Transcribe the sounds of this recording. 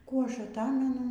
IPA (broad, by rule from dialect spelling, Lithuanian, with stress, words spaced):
ˈkuː ˈɐʃ ɐˈtɑːmʲɛnʊ